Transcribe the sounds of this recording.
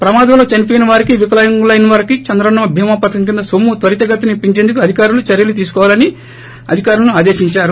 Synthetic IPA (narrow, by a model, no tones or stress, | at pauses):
pɾɐmaːd̪ɐmlo̞ːt͡ʃɐnipɔjnɐʋaːɾikiʋikɐlɐjɐŋɡlɐjnɐʋaːɾikit͡ʃɐnd̪ɾɐnɐmɐbʱiːmaːpɐt̪ɐkɐmk̬ind̪ɐsomːut̪ʋɐɾit̪ɐɡɐt̪ːinipːiɲt͡ʃend̪ukuɐd̪ʱikaːɾulut͡ʃɐɾjɐlut̪iːsu̥kɔːʋaːlɐni | ɐ̰d̪ʱikaːɾulɐnuaːd̪e̞ːʃiɲt͡ʃaːɾu